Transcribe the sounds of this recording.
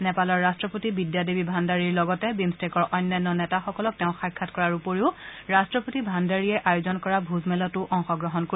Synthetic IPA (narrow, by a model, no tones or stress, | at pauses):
nɛpalɔɹːastɹɔpotibidjadibibʱandaɹiɹlɔɡɔtɛbimstekɔɹʔɔjnːajnːɔnɛtaxɔkɔlɔk̚tɛʊ̃xajkʰːatkɔɹaɹupoɹiʊɹastɹɔpotibʱandaɹiɛʔajʊzɔnkɔɹabʱuzmɛlɔtʊʔɔŋxɔɡɹɔɦɔnkoi